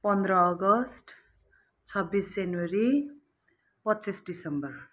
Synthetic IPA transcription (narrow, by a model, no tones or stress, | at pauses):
pʌnd̪ɾʌːɡʌsʈ | t͡sʰʌbːisd͡zanwʌɾi | pʌtːt͡sisɖisʌmbʌr